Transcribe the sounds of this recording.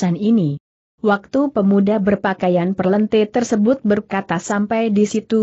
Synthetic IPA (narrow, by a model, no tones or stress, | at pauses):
anini | wak̚t̪upəmudabərpakajanpərlənt̪et̪ərsəbʊt̪̚bərkat̪asampajdisit̪u